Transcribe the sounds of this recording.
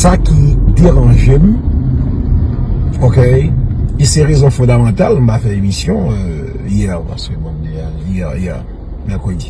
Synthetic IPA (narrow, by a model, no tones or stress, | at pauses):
sakʲid̪eʁɑ̃ʒem̩ | oke | esɛʁezɔ̃fɔ̃d̪amɑ̃t̪alɔ̃bafɛemisjɔ̃ø | ijɛ̃pa̰skemɔ̃md̪ea | jɛjɛ | mɛʁkʁəd̪i